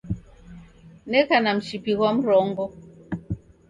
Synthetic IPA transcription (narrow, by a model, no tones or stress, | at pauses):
nɛkanam̩ʃipiɣwam̩ɾɔŋɡɔ